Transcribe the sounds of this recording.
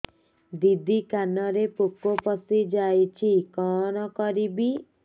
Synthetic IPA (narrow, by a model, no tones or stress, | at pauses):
d̪id̪ikanɔɾepukopɔsid͡ʒajt͡ʃʰikɔnɔkɔɾibi